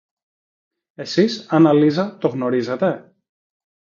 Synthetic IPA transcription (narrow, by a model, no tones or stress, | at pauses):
e̞sisɐnɐlizɐt̪o̞ɣno̞ɾize̞t̪e̞